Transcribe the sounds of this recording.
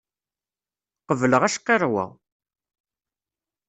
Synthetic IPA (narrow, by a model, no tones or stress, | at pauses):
qəvləʁæʃqːerˤwæ̰